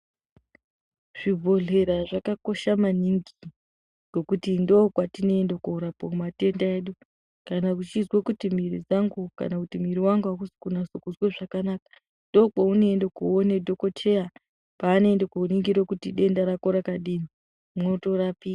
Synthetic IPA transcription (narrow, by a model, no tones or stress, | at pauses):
ʐ̥ibʱo̞ɮe̞ɾaʐakako̞ʃamaniŋɡi | ɡ̥o̞kutindo̞kwatine̞endokuuɾapokumate̞ndae̞ːɗu | kanakut͡ʃizwekutimirid͡zaŋɡuka̰nakutimiɾiwaŋɡuɦakusi̥kunasukuzweʐakanaka | ndo̞kwaune̞endokuone̞dʱo̞ko̞tʰe̞ja | paːno̞endekouniŋɡiɾokutiɗe̞ndaɾakoɾakaɗini | mnoto̞ɾaːpi